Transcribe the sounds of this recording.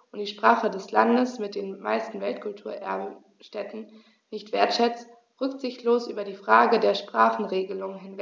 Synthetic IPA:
ʔʊntd̥iːʃpʁ̥aːχədɛslandəsmɪt̚d̥eːnma̰ɪstn̩vɛltkʰʊltʰuːɐʔɛ̰ɐbə | ʃtɛtn̩ | nɪçtv̥eːɐtʃɛt͡st | ʁʏkz̥ɪçtloːsʔyːbɐdiːfʁ̥aːɡədeːɐʃpʁ̥aːχn̩ʁeːɡəlʊŋɦɪnvɛ

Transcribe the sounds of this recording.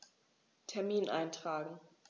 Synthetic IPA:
tʰɛɐmiːnʔa̰ɪntʁ̥aːɡŋ̩

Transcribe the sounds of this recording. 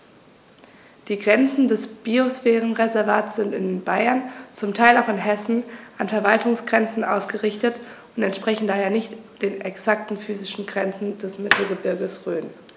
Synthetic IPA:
d̥iːɡʁɛnt͡sn̩dɛsb̥iosfɛːʁənʁezɛɐvaːtsz̥ɪntɪnbaɪɐnt͡sʊmtʰaɪlaʊxɪnɦɛsn̩ʔanfɛɐvaltʊŋsɡ̥ʁɛnt͡sn̩ʔa̰ʊsɡ̥əʁɪçtət | ʊntɛntʃpʁ̥ɛçn̩daːheːɐnɪçtd̥eːnɛksak̚tn̩fyːzɪʃn̩ɡʁɛnt͡sn̩d̥ɛsmɪtʰl̩ɡəbɪɐɡəsʁøːn

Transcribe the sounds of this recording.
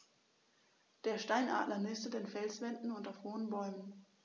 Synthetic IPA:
d̥eːɐʃtaɪnʔa̰ːdlɐnɪstədeːnfɛlsv̥ɛndn̩ʊntafhoːənbɔʏmən

